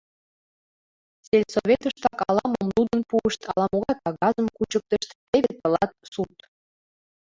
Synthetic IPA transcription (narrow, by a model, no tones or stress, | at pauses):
t͡selʲsoβʲet̪əʃt̪ɑkɑlɑmomlud̪ənpuəʃt̪ʰɑlɑmoɣɑt̪ɑɣɑzəmkut͡ɕək̚t̪ə̆ʃt̪t̪eɣep̪ɤ̆lɑt̪̚sut̪